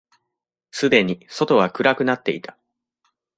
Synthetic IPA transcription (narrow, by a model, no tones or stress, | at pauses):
sɨd̪e̞ɲ̟iso̞t̪o̞βakɯ̟ɾakɯ̟nat̪ːe̞̰it̪ʰḁ